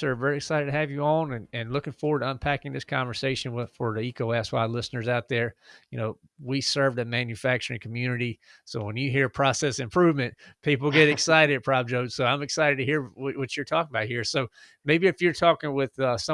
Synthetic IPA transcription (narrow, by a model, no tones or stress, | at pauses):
ə˞vɛɹiɨksaɪɾɨd̚tʰɨɨvjɨõʊ̃nɨ̃nɨ̃nlʊkɪ̃ŋfɔɹwə˞ɾtʌ̃npʰækɪ̃ŋðɪskʰɑ̃ɱvə˞seɪʃɨ̃nwɪfə˞ðiikʰoʊæswaɪlɪsnə˞zaʊt̪̚ðə˞jɨnoʊ | wisɜ˞vdɨmæ̃njɨfæk̚t͡ʃə˞ɪ̃ŋkʰm̩jʉnɨɾi | soʊwə̃njɨɦiɹpʰɹ̥ɔsɛsɨ̃mpʰɹ̥ʉvmɨ̃ntpʰipl̩ˠɡɛɾɨksaɪɾɨd̚pʰɹ̥ɑb̚d͡ʒoʊdz̥soʊãɪ̃mɨksaɪɾɨd̚tɨhiɹwʌwʌt͡ʃə˞tʰɔkɪ̃ŋəbaʊt̚hiɹsoʊ | meɪbiɨfjə˞tʰɔkɪ̃ŋwɪð̥ʌsʌ̃